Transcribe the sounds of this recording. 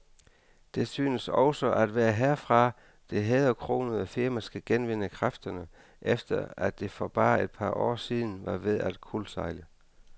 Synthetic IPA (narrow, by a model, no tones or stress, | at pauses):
d̥e̝syːnəsɒʊsɒʔæd̥ʋæːɐɦeɐ̰fʁɑ̈ | d̥e̝ɦeð̩ˠɒkʰʁo̝̰ːnəð̩ˠɒfiɐmæsɡ̥æɡ̥enʋe̝nəkʰʁafd̥ɐnə | ʔefd̥ɐæd̥e̝fɒb̥ɑ̈ːed̥̚pʰɑ̈ʔɒ̰ːsiːð̞ˠn̩ʋɑ̈ʋe̝ð̞ˠæd̥kʰulsɑ̈ɪlə